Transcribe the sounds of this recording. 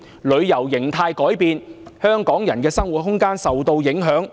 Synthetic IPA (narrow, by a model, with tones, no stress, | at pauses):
lɵ˨˧ɥjɐ˨˩wjɪ˨˩ŋt̪ʰaː˧jkɔː˨˥jpiː˧nhœː˥ŋkɔː˨˥ŋjɐ˨˩nkɛː˧sɐ˥ŋwu˨t̚hʊ˥ŋkaː˥nsɐ˨wt̪o˧wjɪ˨˥ŋɦœː˨˥ŋ